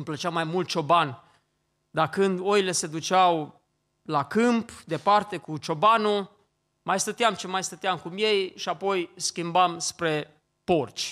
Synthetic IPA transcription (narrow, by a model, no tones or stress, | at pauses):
mplət͡ʃamːajmult̪̚t͡ʃo̞ban | d̪akɨnd̪o̞ile̞se̞d̪ut͡ʃaw | lakɨmpd̪e̞part̪e̞kut͡ʃo̞banu | majst̪ət̪eamt͡ʃimajst̪ət̪eamkumje̞jʃiapo̞jskʲimbamspɾe̞ | po̞rt͡ʃʲ